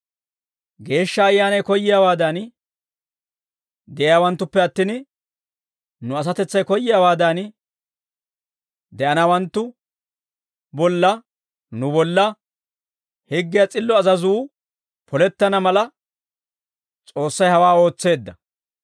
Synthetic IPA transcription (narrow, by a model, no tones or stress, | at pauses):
ɡe̞ːʃːɐːjːaːnɐjkɔjːɪjawaːd̪ɐn | d̪ɛʔjawɐnt̪ːʊpːɛɐt̪ːin | nʊɐs̬ɐt̪ɛt͡sːɐjkɔjːɪjaːwaːd̪ɐn | d̪ɛʔɐnɐwɐnt̪ːʊ | bɔlːɐ | nʊbɔlːɐ | hɛɡːɪjɐt͡sʼɪlːɔɐzɐzuː | pɔlɛt̪ːɐnɐmɐlɐ | t͡sʼo̞ːsːɐjhɐwaːo̞ːt͡sːe̞ːd̪ːɐ